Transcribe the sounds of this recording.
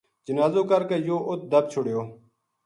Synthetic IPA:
d͡ʒənaːzoːkəɾkəjoːʔʊt̪̚d̪əb̚t͡ʃʰʊɽjoː

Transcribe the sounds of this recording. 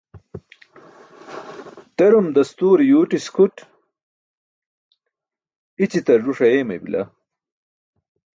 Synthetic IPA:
t̪ɐɾumd̪ɐst̪uːɾjuːʈiskʰuʈ | it͡ɕit̪ɐʐuʂɐjeːmḛbḭlɐ̰

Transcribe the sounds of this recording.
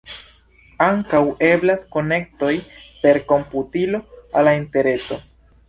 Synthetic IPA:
aŋkawe̞blasko̞ne̞k̚to̞jpe̞ɾko̞mputilo̞alainte̞ɾe̞so̞

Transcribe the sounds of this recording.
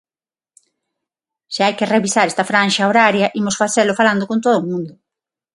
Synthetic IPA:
ʃeajkɪreβisaɾɛst̪ɐfɾanʃaoɾaɾjɐʔimʊsfaθelʊfaland̪okõnt̪oðʊːmũnd̪ʊ

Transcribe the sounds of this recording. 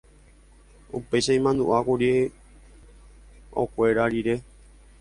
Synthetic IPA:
upe̞jʃaĩmãnd̪uʔakuɾie | o̰kʷe̞ɾaɾiɾe̞

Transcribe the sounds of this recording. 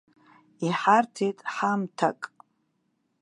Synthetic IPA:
iħartʰejtʼħamtʰa̰kʼ

